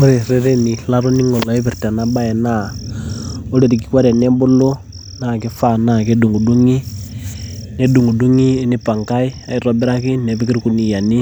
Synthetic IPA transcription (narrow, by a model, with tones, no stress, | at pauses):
o˦ɾe˨ɾe˦ɾe˦ni˨la˦ɾo˦ni˦ŋo˨la˨i˦pi˨ɾta˨na˦ba˦ɛ˨na˦˨ | o˦le˨ɾi˨ki˨˦kwa˦ɾɛ˨ne˦bo˦lo˦ | na˨ke˦fa˦˨na˦˨ke˦du˨ŋɡu˨du˦ŋi˦ | ne˦du˨ŋɡu˨du˦ŋi˦ni˦pa˨ŋka˦i˦a˨i˨ɾɔ˦bɪ˦ɾa˦ki˦ne˨pi˦ki˦ɾku˨ni˨ja˨ni˦